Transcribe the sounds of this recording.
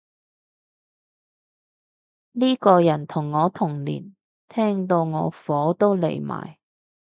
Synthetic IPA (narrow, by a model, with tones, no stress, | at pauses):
niː˥kɔː˧jɐ˨˩nt̪ʰʊ˨˩ŋːɔː˨˧t̪ʰʊ˨˩ŋlḭː˨˩n | t̪ʰɛː˥ŋt̪o˧wŋɔː˨˧fɔː˨˥t̪o˥wlḛ˨˩jma̰ː˨˩j